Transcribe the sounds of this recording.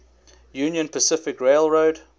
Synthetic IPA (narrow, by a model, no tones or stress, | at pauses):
jʉːnjə̃npʰəsɪfɪkɹeɪlˠɹoʊd